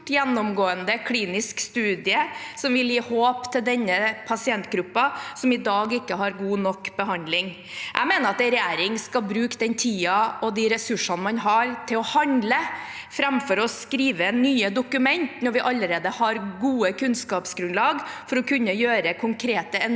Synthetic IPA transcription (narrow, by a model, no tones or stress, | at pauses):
jɛnːɔmɡoːənd̪əkʰliːnɪskst̪ʉːd̪ɪəsɔmʋɪljiːhoːpt̪ʰɪld̪ɛnːəpʰɑsɪɛnt̪ɡɾʉpːɑsɔmɪd̪ɑːɡɪkːəɦɑɾɡuːnɔkːbəɦɑnd̪lɪŋ | ʔæ̰ɪmeːnəɾɑt̪ɛɾɛjeːɾɪŋskɑlbɾʉːkd̪ɛnt̪ʰiːɑʔɔd̪ɪɾɛsʉʂɑnəmɑnɦɑɾt̪ʰɪlɔhɑnlə | fɾɛmfɔɾɔsskɾiːʋənːyːəd̪ʊkʉmɛnt̪nɔɾʋɪʔɑlːəɾeːd̪əhɑɾɡuːəkʰʉnskɑːpsɡɾʉnlɑːɡfɔɾɔkʰʉnːəjøːɾəkʰʊŋkʰɾeːt̪əɛn